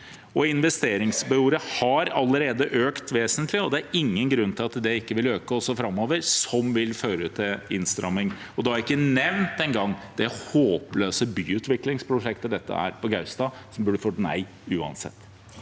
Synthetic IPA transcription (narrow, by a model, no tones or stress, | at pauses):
ɔɪnʋɛst̪eːɾɪŋsbɪuːɾəhɑɾɑlːəɾeːd̪əʔøːkt̪ʋeːsənt̪lɪɔd̪ɛæɾɪŋːənɡɾʉnːt̪ʰɪlɑt̪d̪ɛɪkːəʋɪløːkəɔsːɔfɾɑmːoːʋəɾsɔmʋɪlføːɾəət̪ʰːɪɪ̰nst̪ɾɑ̰mɪŋ | ɔd̪ɛhɑɾɪkːənɛʋnt̪ɛnɡɑŋːd̪̥ɛhoːpløːsəbyːʉːt̪ʋɪklɪŋspʰɾʊʂɛkt̪əd̪ɛt̪ːə̰æ̰ːɾpɔɡɑʉst̪ɑsɔmbʉːɖəfɔt̪næ̰ɪ | ʉːɑ̰nsɛ̰t̪ː